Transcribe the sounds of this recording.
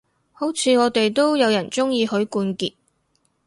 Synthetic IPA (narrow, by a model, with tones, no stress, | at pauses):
ho˨˥wt͡sʰiː˨˧ŋɔː˨˧t̪e˨jt̪o˥wjɐ˨˧wjɐ˨˩nt͡sʊ˥ŋjiː˧ɦɵ˨˥ɥkuː˧nkiː˨t̚